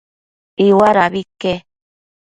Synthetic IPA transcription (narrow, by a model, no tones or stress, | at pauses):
iwaɾaβike